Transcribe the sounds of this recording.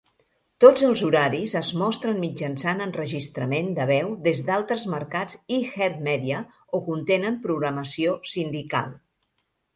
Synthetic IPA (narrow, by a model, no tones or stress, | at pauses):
t̪od͡zəlˠzuɾaɾizəzmɔst̪ɾənmid͡ʒənsanənrəʒist̪ɾəmend̪əβ̞ɛwðezd̪alˠt̪ɾəzməɾkad͡zixɛrt̪mɛðiə | okunt̪enəmpɾuɣɾəməsiosind̪ika̰lˠ